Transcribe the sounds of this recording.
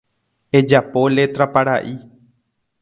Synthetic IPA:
ed͡ʒapolet̪ɾapaɾaʔi

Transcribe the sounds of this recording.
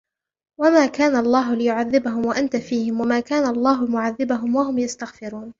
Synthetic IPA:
wamaːkaːnaʔɑlˤːɑːɦʊlɪjʊʕaðːɪbaɦʊmwaʔant̪afiːhɪmwamaːkaːnaʔɑlˤːɑːɦʊlmʊʕaðːɪbaɦʊmwahʊmjast̪aɣfɪɾuːn

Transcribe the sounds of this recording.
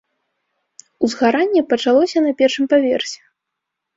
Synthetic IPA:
uzɣaɾanʲːɛpɐt͡ʂalˠɔsʲɐnɐpʲɛrʂɨmpavʲɛrsʲɛ̥

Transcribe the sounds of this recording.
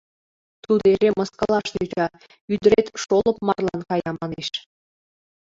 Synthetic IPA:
t̪ud̪eɾemə̆skɑlˠɑʃt̪yt͡ɕɑ | yd̪ə̆ɾet̪ʃolɤ̆pmɑrlˠɑ̰nkɑjɑmɑneʃ

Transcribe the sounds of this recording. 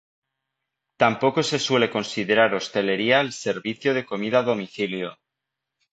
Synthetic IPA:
t̪ampo̞ko̞se̞swe̞le̞ko̞nsið̞e̞ɾaɾo̞st̪e̞le̞ɾiaelse̞ɾβiθjoð̞e̞ko̞mið̞aðo̞miθiljo

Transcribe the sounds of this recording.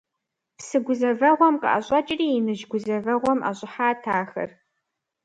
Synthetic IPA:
psɨɡʷʊzɐvɐʁʷɔmqʼɐ̰ʔɐ̰ɕʼɐt͡ʃʼriːɪnɨʒɡʷʊzɐvɐʁʷɔmʔa̰ɕʼɪħaːtʰaːxɐ̰r

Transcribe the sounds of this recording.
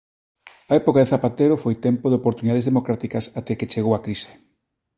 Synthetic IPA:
ɐɛpokaðeθapat̪eɾofojt̪ɛmpoðeopoɾt̪uniðaðezðemokɾat̪ikɐsat̪ɛket͡ʃeɣowakɾise̥

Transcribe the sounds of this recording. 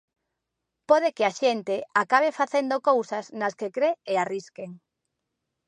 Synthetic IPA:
pɔðekeaʃent̪eakaβ̞efaθend̪okowsɐznɐskekɾeeariskeŋ

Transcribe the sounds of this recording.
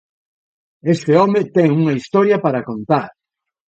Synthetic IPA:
est̪ɪɔmet̪ɛŋuŋɐist̪ɔɾjɐpaɾɐkont̪aɾ

